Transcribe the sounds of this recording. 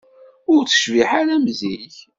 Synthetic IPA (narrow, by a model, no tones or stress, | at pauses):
ʊɾt͡sːə̥ʃviħaɾæmziç